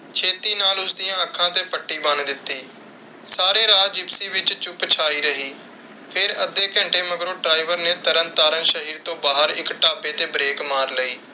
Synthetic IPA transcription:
t͡ʃʰeːt̪iːnaːlʊsd̪ɪjãːəkʰːãːt̪eːpəʈːiːbənd̪ɪt̪ːiː | saːɾeːɾaːd͡ʒɪpsiːʋɪt͡ʃt͡ʃʊpt͡ʃʰaːiːɾəɦiː | pʰɪɾəd̪eːkə̃ɳʈeːməɡɾõːʈɾaːiʋəɾneːt̪əɾənt̪aːɾənʃəɦiːɾt̪õːbaːɦəɾɪ̰kʈaːpeːt̪eːbɾeːkmaːɾləiː

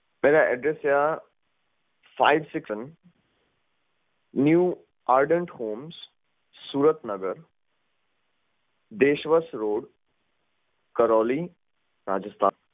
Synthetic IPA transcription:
meːɾaʔɛ̰ɖɾesja | fa̰ːɪʋsɪksən | njuː | aːɾɖə̃ɳʈhoːms | suːɾət̪nɐɡəɾ | d̪eːʃʋəsɾoːɖ | kɐɾɔːli | ɾa̰ːd͡ʒəst̪ʰa̰ːn

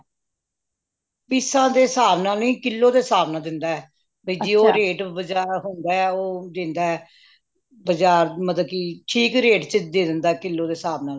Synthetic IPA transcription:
pɪsãːd̪eːsaːʋnaːlĩːkɪlːoːd̪eːsaːbnaːd̪ɪnd̪aːɛː | bed͡ʒiːoːɾeːʈbəd͡ʒaːɾɦʊnd̪aːɛoːd̪ɪ̃nd̪aːɛ | bəd͡ʒaːɾmət̪əkiːʈʰiːkɾeːʈt͡ʃəd̪eːd̪ɪnd̪aːkɪlːoːd̪eːsaːbnaː

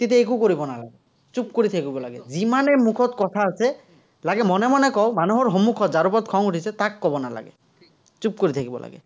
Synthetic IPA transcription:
t̪et̪̬eekukoɾibɔnala̰ɡɛ | t͡ʃupkoɾit̪ʰakibɔlaɡɛzimanemukʰɔt̪kɔt̪ʰaːsɛ | laɡɛmɔnemɔnekɔmanuɦɔɾɦomukʰɔzaɾupɔt̪̚kʰɔŋuʈʰisʰɛt̪akːɔbɔna̰la̰ɡɛ̰ | t͡ʃup̚koɾit̪ʰakibɔ̰la̰ɡɛ̰

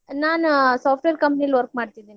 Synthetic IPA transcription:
naːnusaːpʰʈʋeːɾkɐmpniɐlʋɐɾk̚maːɖt̪id̪iːni

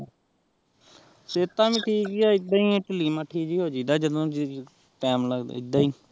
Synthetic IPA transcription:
seːt̪ãːmĩːʈʰiːkiaːɪd̪aːiːʈəliːmãːʈʰiːd͡ʒiːɦoːd͡ʒiːd̪aːd͡ʒəd̪õːd͡ʒ | pɛːmləɡd̪a̰ːɪd̪aːiː

